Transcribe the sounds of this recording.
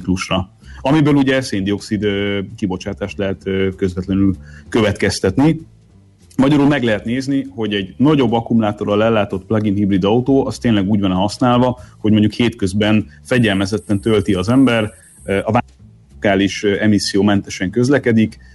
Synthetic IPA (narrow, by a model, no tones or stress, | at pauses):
kluʃrɒ | ɒmibøːluɟɛseːnd̪io̞ksid̪kibo̞t͡ʃaːt̪aːʃt̪lɛɦɛt̪ːkø̞zvɛt̪lɛnylkøvɛt̪kɛst̪ɛt̪ni | mɒɟɒɾuːlmɛɡlɛɦɛt̪neːzniho̞ɟɛɟnɒɟo̞bːɒkumlaːt̪o̞ɾɒlɛlːaːt̪o̞t̪plɒɡinɦibrid̪ɒut̪oːʔɒst̪eːnlɛɡuːɟvɒnɛɦɒsnaːlvɒho̞ɟmo̞ɲɟukheːt̪køzbɛnfɛɟɛlmɛzɛt̪ːɛnt̪ølt̪iɒzɛmbɛr | ɒva | kaːliʃɛmisːijoːmɛnt̪ɛʃɛŋkø̞zlɛkɛd̪ik